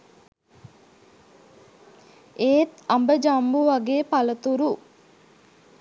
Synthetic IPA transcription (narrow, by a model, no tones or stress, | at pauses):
eːt̪ɐmbəd͡ʒambuʋɐɡeːpɐlət̪uɾu